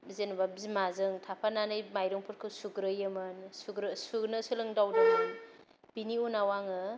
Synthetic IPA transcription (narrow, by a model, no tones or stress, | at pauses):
zenbabzimazɯŋtʰapʰananɯjmajɾɯŋpʰɯɾkʰɯsuɡɾɯjɯmɯnsuɡɾɯsuɡnɯsɯlɯŋdawdɯɯn | b̥iniunawaŋɯ